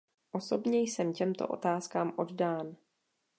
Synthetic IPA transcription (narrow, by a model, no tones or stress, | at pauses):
ʔo̞so̞bɲɛjsɛmcɛmt̪o̰ʔo̞̰t̪aːskaːmʔo̞ddaːn